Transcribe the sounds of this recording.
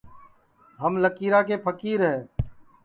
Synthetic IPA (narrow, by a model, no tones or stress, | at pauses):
ɦəmləkiːɾaːkeːpʰəkiːɾɦɛː